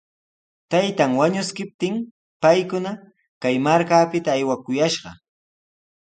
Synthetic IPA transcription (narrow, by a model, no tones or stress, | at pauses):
t̪ajt̪aŋwaɲʊskɪp̚t̪ɪŋ | pajkʊna | kajmaɾkaːpɪt̪aːjwakʊjaʃɢɑ̰